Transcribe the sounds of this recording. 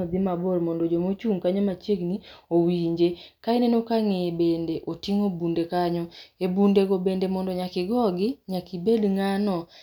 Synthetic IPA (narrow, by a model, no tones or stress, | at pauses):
ɔd̪ɪmabolmɔndɔd͡ʒomot͡ʃuŋkaɲɔmat͡ʃeɡniowiɲd͡ʒekaenenokaŋebendeʔotiŋobundekaɲɔebundeɡobendemɔndɔɲakɪɡɔɡɪɲakibedŋanɔ